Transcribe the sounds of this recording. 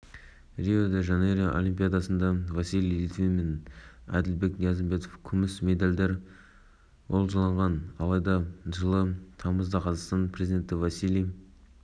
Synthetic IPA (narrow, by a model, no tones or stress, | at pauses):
rʲiod̪eʒɑneɾeʔo̞̰lʲimpʲijad̪ɑsənd̪ɑvɑsilʲijlit̪vʲimenæ̰d̪ɪlbe̞knjɑzəmbe̞t̪ofkʲʰʏmɪsme̞d̪ɑlʲd̪eɾ | wo̞lˠʒɑlˠɑɴʁɑnɑlˠɑjd̪ɑʒəlˠət̪ʰɑməzd̪ɑqʰɑzɑqst̪ɑnpʰrezid̪e̞nt̪ɪvasilʲij